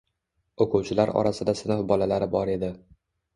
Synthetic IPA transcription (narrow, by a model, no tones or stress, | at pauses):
okʰuwt͡ʃʰɪlaɾɒ̰ɾasɪd̪asɪnɪfbɒlalaɾɪbɒɾe̞d̪ɪ